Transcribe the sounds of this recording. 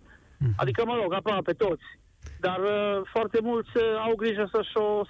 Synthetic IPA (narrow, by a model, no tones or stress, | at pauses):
a̰d̪ikəməloɡapɾapet̪ot̪sʲ | d̪arfoart̪e̞mult̪sʲawɡɾiʒəsəʃos